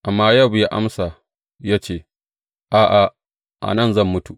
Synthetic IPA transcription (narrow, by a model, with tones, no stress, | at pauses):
ʔa˨mːaː˦jɐ˦˨bjaː˦ʔa̰˦msa˨ | jaː˦t͡ʃeː˦˨ | ʔaː˨ʔa˨ | ʔa̰˨nɐ˦˨nzɐ˦˨mːʊ˦tu˨ʔ